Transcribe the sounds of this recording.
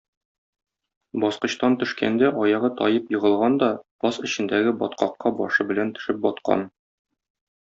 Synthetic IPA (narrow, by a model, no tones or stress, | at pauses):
bɒsqɤ̆ɕt̪ɑnt̪ɵ̆ʃkæ̰nd̪æʔɒjɑʁɤt̪ɒjɤpjɤ̆ʁɤ̆lˠʁɑnd̪ɒpɒsɘ̆ɕɘ̆nd̪æɡɘbɒt̪qɑqːɑbɒʃɤbɘ̆lænt̪ɵ̥̆ʃɘp̚bɒt̪qɑ̰n